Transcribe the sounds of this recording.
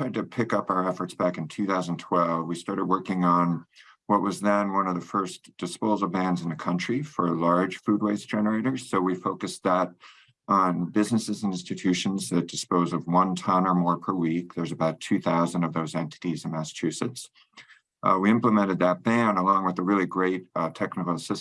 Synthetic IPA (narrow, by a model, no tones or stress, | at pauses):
tɹ̥aɪd̚tʰɨpʰɪkʌpaʊə˞ɛfə˞tsb̥ækɨ̃n̩tʰʉθaʊzntʰw̥ɛlˠvwistɑɹɾɨd̚wɜ˞kɪ̃ŋə̃n | wʌʔ̚wʌzðɨ̃nwʌ̃nʌvðɨfɜ˞sd̥ɨspoʊzl̩ˠbæ̃ndz̃n̩ðɨkʰʌ̃nt͡ʃɹ̥ifə˞lɑɹd̥ʒ̥fʉd̚weɪsd̥ʒ̥ɛnə˞eɪɾə˞z̥soʊwifoʊkɨsðəɾ | n̩bɪznɨsɨzɪ̃nstɨtʰʉʃɨ̃n̩zðɨt̚d̥ɨspoʊzʌvwʌ̃ntʰʌ̃nə˞mɔɹpʰə˞wik̚ðə˞zɨbaʊtʰʉθaʊzɨ̃n̩dʌvðoʊzɛ̃ntɨ̥ɾizɨ̃n̩mæsə̥t͡ʃʰʉsɨts | wiɪ̃mpləmɛ̃ɾ̃ɨd̪̚ðɨt̚b̥æ̃nəlɔ̃ŋwəðəɹɪlˠiɡɹeɪt̚tʰɛknəkl̩ˠəsɪs